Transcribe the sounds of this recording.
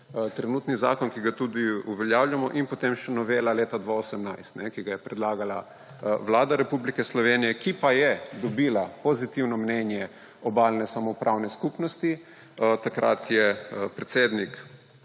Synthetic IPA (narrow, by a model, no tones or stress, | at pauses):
t̪ɾɛnuːt̪niza̰ːkɔnkiɡat̪ud̪iuʋɛljaːwljamɔʔinpot̪emʃɛnɔʋeːlaleːt̪ad̪ʋaosɛmnajst̪nɛkiɡajɛpɾɛd̪laːɡala̰ | ʋlaːd̪aɾɛpublikɛslɔʋeːnijɛkipajɛd̪ɔbiːlapozit̪iwnɔmnɛnjɛ | ɔbaːlnɛsamɔpɾʔawnɛskupnɔst̪i | t̪akɾʔa̰t̪jɛpɾɛt̪seːd̪nik